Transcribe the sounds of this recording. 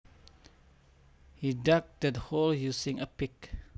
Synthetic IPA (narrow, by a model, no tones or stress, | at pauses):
hidak̚dɛtholjusɪ̃ŋəpɪk